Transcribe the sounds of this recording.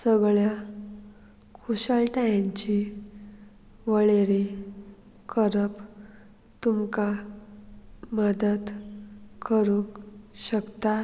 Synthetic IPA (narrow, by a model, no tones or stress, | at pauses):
səɡɭja | kʰuɕaɭʈajãɲt͡ɕi | ʋəɭeɾi | kʰəɾəp | t̪umka | məd̪əd̪kʰəɾũŋkɕəkt̪a